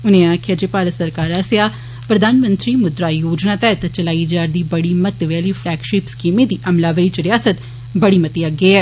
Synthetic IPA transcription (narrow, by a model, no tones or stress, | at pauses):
ʊnẽaːkʰjaːd͡ʒeːpaːɾət̪səɾkaːɾaːsja | pɾɐd̪ʱaːnmə̃nt̪ɾiːmʊd̪ɾaːjoːd͡ʒnat̪ɛt̪t͡ʃəlaːid͡ʒaːɾd̪iːbɐɽimət̪ʋɛːlifʰlɛːɡʃɪːpskiːmẽd̪iːʔɐmlaːʋəɾiːt͡ʃɾɪjaːsət̪ | bɐɽimɐt̪iaɡeɛː